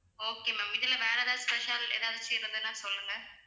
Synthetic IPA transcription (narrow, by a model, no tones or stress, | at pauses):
oːkeːmɐmɪðɪlɐʋɛːɾɐd̪ãːspɛʃalḛːðaːʋðɯt͡ʃeːɾðɯnãːsɔlːɯŋɡɐ